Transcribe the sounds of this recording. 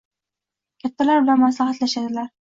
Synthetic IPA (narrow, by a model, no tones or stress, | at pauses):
kʲʰat̪ːalaɾbɪlanmaslahat̪laʃad̪ɪlaɾ